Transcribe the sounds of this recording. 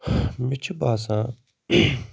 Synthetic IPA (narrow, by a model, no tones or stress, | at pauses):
mɪt͡ʃʰbaːsãː